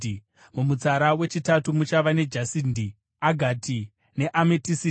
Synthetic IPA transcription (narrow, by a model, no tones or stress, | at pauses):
mumut͡saɾawe̞t͡ʃitatumut͡ʃaʋane̞d͡ʒasindi | aɡʱatʰi | ne̞ʔametisi